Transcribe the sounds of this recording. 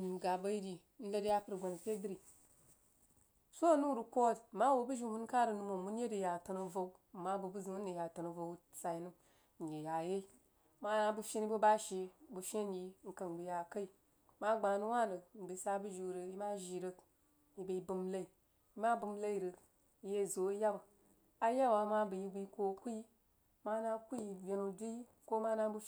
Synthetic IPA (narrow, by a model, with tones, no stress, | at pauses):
ɡa˨bə˦ji˦di˨˦n̩˦lə˦dja˦pə˦ɾɡa˨n˨pe˦dɾi˨ | so˦˨nu˦ɾu˨ko˦dma˦wo˨bu˦ʒi˦hu˦n˦ka˦ɾə˨nu˨˦mo˨mu˦n˦je˦di˨ja˨tə˧no˨vo˦w̩˦˨ma˦bu˨bu˦zi˨u˦ni˨ja˨tə˨no˨vo˨wsa˨i˨˦nu˦ | n˨je˨ja˨je˦ | ma˦na˨bu˦ʃe˦n˦i˦bo˦ba˦ʃe˨bu˨ʃe˦nji˦ŋ̩˨ka˨n˨ɡ͡bi˨ja˨ka˦i˨ | ma˦ɡ͡ba˨nu˦wa˦˨nə˨n̩˨bi˨˦sa˧˦bu˦ʒi˨ɾə˨ji˦ma˦ʒi˨ɾə˧ | ji˨be˧i˦bu˧mla˦i˨ | i˦ma˦bu˧m˦la˦i˨ɾə˨k | i˦je˦˨zo˨˦ja˦wa˨ | a˦ja˦wa˨˦ma˦bu˨ji˧ɡi˧˦ko˦ku˦ji˦ | ma˦na˦ku˦i˨vʲe˧nu˧du˦ji˦ | ko˦ma˦na˦bu˦